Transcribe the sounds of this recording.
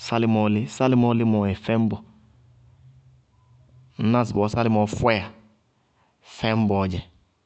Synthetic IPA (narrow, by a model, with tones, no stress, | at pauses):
sa˦li˦mɔ˨˦li˦sa˦li˦mɔ˦li˦mɔ˨ɛ˨fɛ˦m˦bɔ˨ | n̩˦na˦˨sbɔ˨˦sa˦li˦mɔ˨fɛ˦a˨ | fɛ˦m̩˦bɔ˨d͡ʒɛ˨